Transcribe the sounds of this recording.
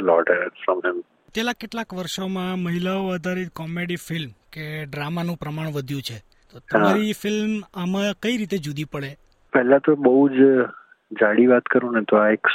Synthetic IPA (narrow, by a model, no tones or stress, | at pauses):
lɔ̰ʈəɾfɾɔ̃mɦɪm | t͡ʃ̪elakeʈlakʋəɾʃomãməɦilaoəd̪ʱaɾit̪kɔmeɽifɪlmkeɖɾamanũpɾəmaɳ̃ʋəd̪ʱjũt͡ʃʰe | t̪ot̪əmɦaɾifɪlmamãkəiɾit̪ed͡ʒud̪ipəɭe | pɛɦlãt̪obəɦud͡ʒ | d͡ʒaɽiʋat̪kəɾũnet̪oaek